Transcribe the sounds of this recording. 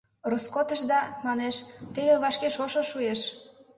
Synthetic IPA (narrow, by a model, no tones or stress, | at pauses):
roskot̪əʃ̬d̪ɑmɑneʃt̪eβeβɑʃkeʃoʃoʃueʃ